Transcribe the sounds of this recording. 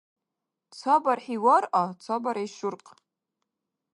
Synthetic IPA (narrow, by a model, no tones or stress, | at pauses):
t͡sʷʰabarħiwarat͡sʷʰabaɾajʃʊrqʼ